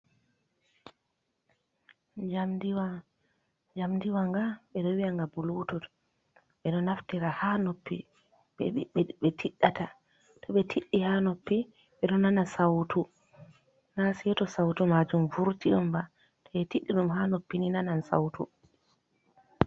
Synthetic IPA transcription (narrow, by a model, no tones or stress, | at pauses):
d͡ʒamdiwa | d͡ʒamdiwaŋɡaɓɛɗɔwiaŋɡabulutut | ɓɛɗɔnaftiɾahanopːi | ɓɛtʰiɗːata | tʰɔɓɛtʰiɗːihanopːi | ɓɛɗɔnanasawtu | nasijɛtɔsawtumad͡ʒumvuɾtiʔɔmba | tʰɔɛtiɗːiɗumɦanopːininanansa̰wtu